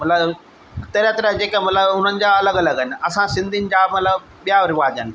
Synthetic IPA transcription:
mɐt̪ləb | t̪ɐɾət̪ɐɾəd͡ʑeːkəmɐt̪ləbɦʊn̤ənɪ̆d͡ʑaɐləɡɐləɡɦənɪ̆ɐsãsɪ̃nd̪ʱinɪ̆d͡ʑaːmɐt̪ləb | ɓijaɾɪʋaːd͡ʑənɪ̆

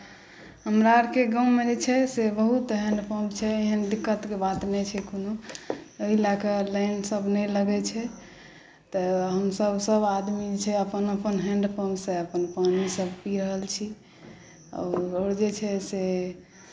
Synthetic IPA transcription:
ɦəmɾaɾkeɡãwmed͡ʒet͡ʃʰɛsebəɦut̪ɦɛ̃ɳɖpʰəmt͡ʃʰɛeɦənd̪ikːət̪kebat̪nɛt͡ʃʰɛkonoəɦilakəlaɪnsəbnɛləɡɛt͡ʃʰɛ | t̪əɦəmsəbsəbad̪mid͡ʒet͡ʃʰɛəpənəpənɦɛ̃ɳɖpʰəmseəpənpanisəbpiɾəɦəlt͡ʃʰi | ɔ̰ːɾoːɾd͡ʒet͡ʃʰɛse

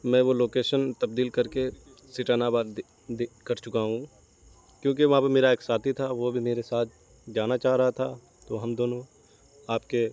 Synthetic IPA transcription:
mɛ̃ʋoloːkeːʃənt̪ɐb̚d̪iːlkɐɾke | sɪʈaːnabaːɾ | d̪ekɐɾt͡ʃʊkaɦũ | kjõːk̬eʋɐɦãːpɐɾmeːɾaeːksaːt̪ʰit̪ʰaʋobʱimeːɾesaːt̪̚ʰ | d͡ʒaːnat͡ʃaːɦɾɐɦat̪ʰa | t̪oɦɐmd̪oːnõ | aːp̚ke

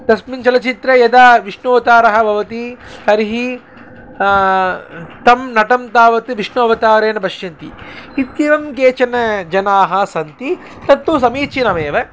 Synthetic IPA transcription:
t̪ɐsmint͡ʃɐlɐt͡ʃit̪ɾejɐd̪aːʋiʂnoːt̪aːɾɐɦɐbʱɐʋɐt̪ihɐɾiɦi | t̪ɐmnɐʈɐmt̪aːʋɐt̪iʋiʂɳuɐʋɐt̪aːʋɾeːnɐbʱɐʃjɐnt̪iit̪̚kiʋɐmkeːt͡ʃɐnɐd͡ʒɐnaːɦɐsɐnt̪i | t̪ɐt̪ːus̬ɐmiːt͡ʃinɐmeːʋɐ

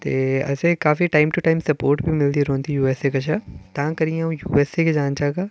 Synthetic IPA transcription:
t̪eːɐ̰sekaːfiʈaːɪmʈuʈaːɪmsɐpoːɾʈbʱimɪld̪iɾõːnt̪ijuːeːsekɐʃʰat̪ɐɦãkɐɾiãũjṵːeːseked͡ʒaːnt͡ʃaːɡaː

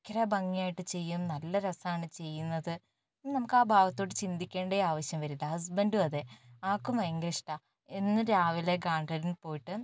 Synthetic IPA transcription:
kːɐɾɐbɐŋːijaːjiʈːɨt͡ɕe̞jːumnɐlːɐɾɐsaːɳɨt͡ɕe̞jːunːɐðɨ | nɐmukːaːbʱaːʋɐt̪ːo̞ːɽɨt͡ɕind̪ikʲːe̞ːɳɖeaːʋɐɕjɐmʋɐɾilɐhɐs̬bɐnduɐðeaːkːumɐjɐŋɡɾɐʂʈa | enːɨɾaːʋile̞ɡaːɳɖrɐɾinpo̞ːjiʈːɨ

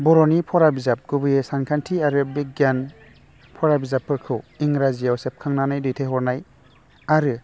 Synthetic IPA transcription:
bɔɾɔnipʰɔɾabizap̚ɡubɯjesankʰantʰiaɾɯbik̚ɡjan | pʰɔɾabizapʰːɯɾkʰɯwiŋɾazijawsep̚kʰaŋnanajdɯtʰeɦɔɾnaj | aɾɯ

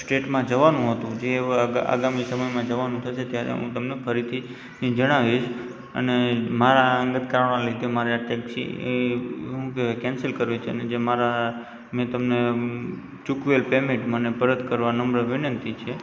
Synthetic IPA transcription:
sʈeʈmãd͡ʒəʋanũɦət̪ũd͡ʒea̰ɡamisəməjmãd͡ʒəʋanũt̪ʰəʃet̪jaɾḛɦṵ̃t̪əmnepʰəɾit̪ʰi | nid͡ʒəɽ̃aʋiʃ | ə̰nemaɾaəŋɡət̪kɾəɳãlid̪emaɾaʈɛksḭeɦũkekɛ̃nsəlkəɾʋit͡ʃʰeəned͡ʒemaɾa | mẽt̪əmne | t͡ʃukʋelpemẽʈmənepəɾət̪kəɾʋanəmbɾəʋɪnənt̪it͡ʃʰe

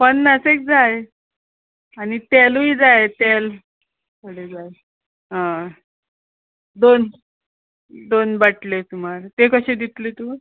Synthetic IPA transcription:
pəɳːasek̚d͡zaj | añit̪elujd͡zajt̪el | kəɽed͡zaj | ɦã | d̪on | d̪onbaʈlet̪umaɾt̪ekəɕẽd̪it̪let̪u

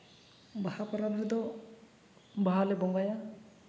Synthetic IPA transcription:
bahapaɾalɦɛd̪ɔ | baɦalɛbɔŋɡaja

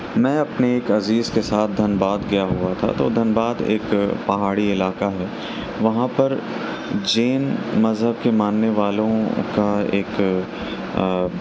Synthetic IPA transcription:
mɛ̃ːɐpneeːkɐziːzkesaːt̪̚ʰd̪ʱɐnbaːd̪ɡɐjaɦuat̪ʰa̰t̪o̰ːd̪ʱɐnbaːd̪ḛːkpɐɦaːɽiɪlaːkaɦɛː | ʋɐɦãpɐɾ | d͡ʒeːnmɐzɦəbkemaːnːeʋaːlõkaeːk

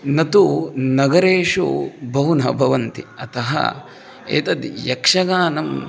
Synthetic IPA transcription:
nɐt̪unɐɡɐɾeːʂṵbʱɐɦunɐ̰bʱɐʋɐnt̪iɐt̪ɐɦɐ̰ | ḛːt̪ɐd̪jɐkʂɐɡaːnɐm

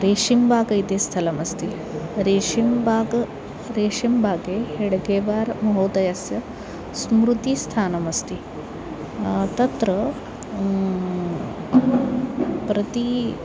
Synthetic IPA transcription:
ɾeːʂimbʱaːɡɐjt̪eːst̪ʰɐlɐmɐst̪i | ɾeːʂimbaːɡ | ɾeːʂimbʱaːɡeːheɽɡeːʋaːɾmɐɦoːd̪ɐjɐsjɐ | smɾut̪ist̪ʰaːnɐmɐst̪i | t̪ɐt̪ɾɐ | pɾɐt̪i

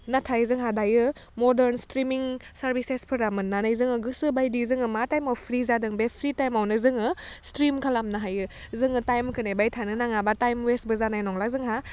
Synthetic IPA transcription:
natʰajzɯŋɦadajɯmɔdeɾnstɾimiŋsaɾbisespʰɯɾamɯnːanajzɯŋɯɡɯsɯbajdizɯŋɯmatajmawpʰɾizadɯŋbepʰɾitajmawnɯzɯŋɯstɾimkʰalamnaɦajɯ | zɯŋɯtajmkʰɯnebajtʰanɯnaŋabatajmwesbɯzanajnɔŋlazɯŋɦa

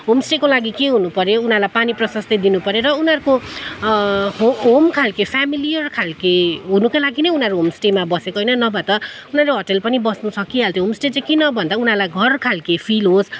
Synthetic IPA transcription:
ɦomsʈekolaɡikeɦunupʌɾjounalajpaniprʌsʌst̪ed̪inupʌɾjeɾʌunɦʌɾuko | ɦoɦomkʰalkepʰamilijʌrkʰalkeɦunukalaɡinʌjunaɾuɦomsʈemabʌsekoɦʌjnʌnʌbʱʌt̪ʌunaɾuɦʌʈʌlpʌnibʌsnut͡sʰʌkiɦalt̪ʰoɦomsʈet͡sʌ̃kinʌbʱʌnd̪aunɦalajɡʱʌrkʰalkepʰilɦos

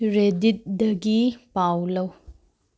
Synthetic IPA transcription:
ɾedit̚dɐɡipawlɐw

